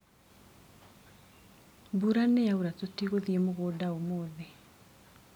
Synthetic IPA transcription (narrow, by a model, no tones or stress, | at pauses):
buɾanejauɾatotiɣoðiemoɣoːdaomoːðe